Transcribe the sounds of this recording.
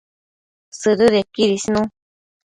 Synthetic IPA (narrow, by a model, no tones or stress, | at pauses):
sɨɾɨðekiɾisnũ